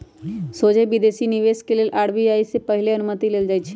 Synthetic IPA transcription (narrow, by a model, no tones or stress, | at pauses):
sod͡ʒebid̪esiniʋeskelelʔaːɽbiaːisepəɦɪleənʊmət̪ileːld͡ʒaːt͡ʃʰe̥